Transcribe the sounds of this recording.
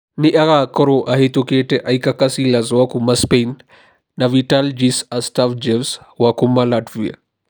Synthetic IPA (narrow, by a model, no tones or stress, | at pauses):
niʔɐɣaːkɔɾoʔɐɦet̪ukeːʈeʔɐjkakɐsilɐzwakumɐspenː | ɐʋiʈald͡ʒisɐstafd͡ʒewswakumːɐlaʈʋiɐ̰